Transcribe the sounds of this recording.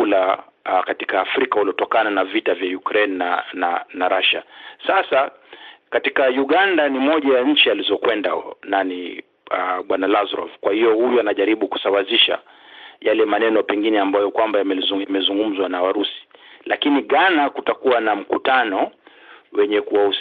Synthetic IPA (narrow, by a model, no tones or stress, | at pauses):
ula | katikaːfɾikahuliɔtɔkananavitavjajukɾɛnːananːaɾaʃasasa | katikajuɠandanimɔʄajaɲ̩t͡ʃializɔkwɛndanani | aɓwanalazɾɔ̰vkwahijɔhujɔanaʄaɾiɓuku̥sawaziʃa̰ | jalɛmanɛnɔpɛŋɡinɛambajɔkwambajamɛmɛzuŋɡum̩zwanawaɾusi̥lakiniɠanakutakuwanam̩kutanɔ | wɛɲɛkuwau